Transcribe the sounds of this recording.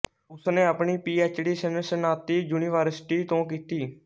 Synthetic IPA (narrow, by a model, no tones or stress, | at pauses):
ʊsneːapɳiːpiːeːt͡ʃɖiːsənəsənaːt̪iːd͡ʒuːniːʋəːɾsʈiːt̪õːkiːt̪iː